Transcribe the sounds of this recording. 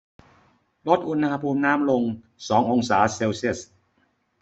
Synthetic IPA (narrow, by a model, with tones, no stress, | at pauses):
lo˦˥t̪̚ʔu˧na˧pʰuː˧mnaː˦˥mlo˧ŋ | sɔː˩˦ŋʔo˧ŋsaː˩˦seː˧wsi˥˩s